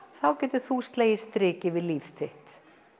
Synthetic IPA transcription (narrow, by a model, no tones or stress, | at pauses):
θawcɛːt̪ʏθust̪leːjɪst̪ɾɪːcɪvɪðliːfθʰɪht̪